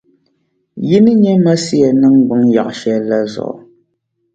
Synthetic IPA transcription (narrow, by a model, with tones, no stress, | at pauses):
ji˦nɨ˦ɲɛ˦ma˦si˦a˨nɨ˦ŋɡ͡bɨ˦ŋja˨ʔʃɛ˦la˦zɔ̰˨ʔ